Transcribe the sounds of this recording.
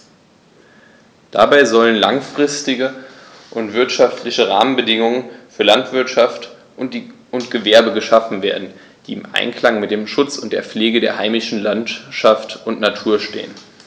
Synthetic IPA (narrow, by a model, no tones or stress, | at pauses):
d̥a̰baɪzɔlənlaŋfʁ̥ɪstɪɡə | ʔʊntv̥ɪɐtʃaftʰlɪçəʁa̰ːmənbədɪŋʊŋənfyːɐlantv̥ɪɐtʃaft | ʊntɡ̥əvɛɐbəɡəʃafn̩veːɐdn̩ | d̥iːɪmʔa̰ɪnkl̥aŋmɪt̚d̥eːmʃʊt͡sʊnt̚d̥eːɐp͡fleːɡədeːɐhaɪmɪʃn̩lantʃaftʊntnatʰuːɐʃtḛːən